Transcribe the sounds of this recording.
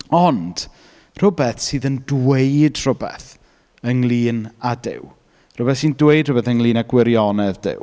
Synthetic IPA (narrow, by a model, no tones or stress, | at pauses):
ɔnd̥ | r̥ʊbɛθsɨːðəndwejdr̥ʊbɛ̰θ | əŋlˠiːnadɪ̰w | r̥ʊbɛθsiːndwejd̥rʊbɛθənlˠiːnaɡwɪɾjɔnɛðdɪ̰w